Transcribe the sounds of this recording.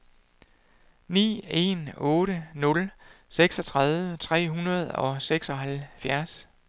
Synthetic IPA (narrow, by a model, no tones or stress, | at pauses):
nḭːe̝̰nɔ̽ːɾənɔ̽lseɡ̥sɒ̽t͡sʰʁɑð̞ˠʋət͡sʰʁɛ̰ːɦunɐð̞̩ˠɒ̽seɡ̥sɒ̽ɦælfjæɐs